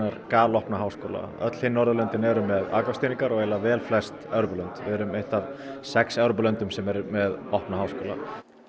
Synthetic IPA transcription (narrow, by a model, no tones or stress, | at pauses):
aɾ̥kaːlɔhpnaɦaːwskoːla̰œ̰t̪l̥hɪnːɔɾðʏlœnt̪ɪnɛɾʏmːɛða̰ːkafsiːniŋkaɾɔɣɛlavɛːlflɛ̥st̪ɛːwɾʏpʏlœnt̪vɪɛɾʏmejht̪avsɛksɛwɾʏpʏlœnt̪ʏmsɛmɛɾʏmɛðɔhpnahawskoːla̰